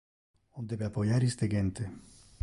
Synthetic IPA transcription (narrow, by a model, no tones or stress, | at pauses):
ond̪ebeapojaɾist̪eɡent̪e